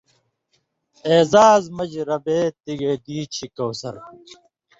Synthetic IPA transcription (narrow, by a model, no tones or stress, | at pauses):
eːzaːzmɐd͡ʑɾɐbeːt̪iɡed̪iːt͡ɕʰikɐwsɐ̰ɾ